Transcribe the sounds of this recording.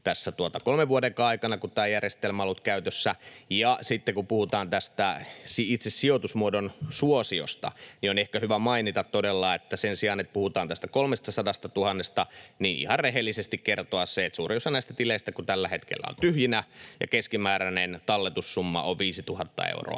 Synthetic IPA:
t̪æsːæt̪uot̪ɑkolmeʋʋuodeŋkɑɑikɑnɑkut̪æːjærjest̪elmɑlut̪kæyt̪øsːæjɑsit̪ːekupuhut̪ɑːnt̪æst̪æsiit̪sessiot̪usmuodonsuosio̰st̪ɑ̰nionehkæhyʋæmɑinit̪ɑt̪t̪odelːɑet̪ːæsensiɑːnet̪̚puhut̪ɑːnt̪æst̪ækolmest̪ɑsɑdɑst̪ɑt̪uhɑnːest̪ɑniːnʔḭhɑrreɦelːisest̪ikkert̪oɑsseːt̪suːriosɑnæist̪æt̪ileist̪ækut̪ælːæhet̪kḛlːæ̰o̰nt̪yhjinæjɑ̰keskimæːɾænent̪ɑlːet̪usːumːɑ̰oʋʋiːsit̪uhɑt̪ːɑ̰ḛuro̰ɑ̰

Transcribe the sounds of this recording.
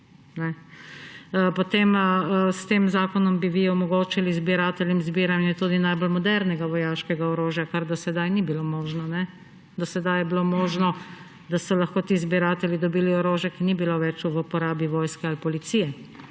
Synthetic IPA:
nɛ | pɔt̪eməst̪eːmzaːkɔnɔmbiʋiɔmɔɡoːt͡ʃilizbiɾaːt̪ɛljɛmzbiːɾanjɛt̪ud̪inajbɔlmɔd̪ɛɾnɛɡaʋɔjaːʃkɛɡaɔɾoːʒjakaɾd̪ɔsɛd̪ajnibilomoːʒnɔnɛ | d̪ɔsɛd̪ajɛbilomoːʒnɔ | d̪asɔlɐxkoːt̪iːzbiɾaːt̪ɛljid̪ɔbiːliɔɾoːʒjɛkinibiloʋɛt͡ʃuʋpɔɾaːbiʋoːjskɛalpɔlit̪siːjɛ

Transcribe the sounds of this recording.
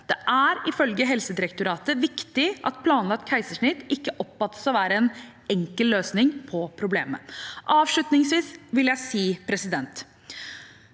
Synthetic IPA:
d̪̥ɛʔæɾɪfœlɡəɦɛlsəd̪ɪɾɛkt̪ʊɾɑːt̪əʋɪkt̪ɪʔɑ̰t̪pʰlɑːnlɑk̚t̪̚kʰæɪsəʂɳɪt̪ːɪkːəʔɔpːfɑt̪ːə̥sɔʋæːɾəɛn | ɛŋkəlløːsnɪŋpʰɔpʰɾʊbleːmə̰ʔɑːʋʂɭʉt̪nɪŋsʋiːsʋɪljæɪsiːpʰɾɛsɪd̪ɛnt̪

